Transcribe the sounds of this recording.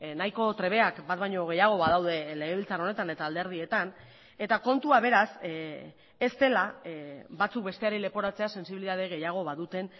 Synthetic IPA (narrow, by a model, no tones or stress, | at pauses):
najko̞t̪ɾe̞β̞e̞akbat̪̚bajɲo̞ɣ̞e̞jaɣ̞o̞βaðawðe̞le̞ɣ̞eilt͡saro̞ne̞t̪ane̞t̪aːld̪e̞ɾð̞ie̞t̪an | e̞t̪ako̞nt̪uaβ̞e̞ɾas | e̞st̪e̞laβat͡suk̚be̞st̪e̞aɾele̞po̞ɾat͡se̞ase̞nsiβiliðað̞eɣ̞e̞jaɣ̞o̞βaðut̪e̞n